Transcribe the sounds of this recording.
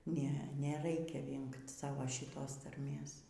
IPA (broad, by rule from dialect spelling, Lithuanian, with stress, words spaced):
ˈnʲɛ nʲɛˈrɐɪkʲɛ ˈʋʲɪŋkt ˈsɑːʋoː ʃʲɪˈtoːs tɐrʲˈmʲeːs